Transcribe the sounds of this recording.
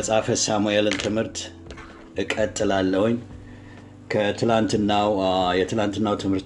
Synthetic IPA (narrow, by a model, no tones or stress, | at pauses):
əsʼafəsamuelɨnt̪ʰɨmhɨɾt̪ | ɨkʼːət̪ʼːɨlalːəhoɲː | kʰət̪ʰɨlant̪ɨnːawjɛt̪ʰɨlant̪ɨnːawt̪ʰɨmhɨɾt